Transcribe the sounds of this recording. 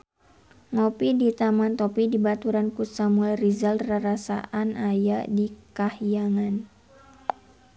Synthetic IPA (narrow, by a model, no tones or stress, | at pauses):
ŋɔpidit̪amant̪ɔpidibat̪uɾankusamuɛlrizalraɾasa̰ʔanajadikahijaŋan